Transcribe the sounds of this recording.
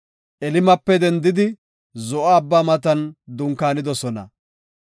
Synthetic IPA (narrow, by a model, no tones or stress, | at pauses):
ʔɛlɪmɐpːɛd̪ɛnd̪ɪd̪ɪ | zɔʔaːbːaːmɐt̪ɐnd̪ʊŋkaːnɪd̪ɔsɔnɐ̰